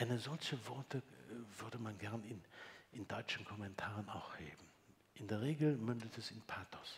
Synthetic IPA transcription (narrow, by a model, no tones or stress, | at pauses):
ʔaɪnəzɔlçəvɔɐtəv̥ʏɐdəmanɡɛɐnɪnʔɪndɔʏt͡ʃn̩kʰɔmɛntʰaːʁəna̰ʊxhḛːbm̩ | ʔɪndeːɐʁeːɡl̩mʏndətɛsɪnpʰaːtʰɔ̥s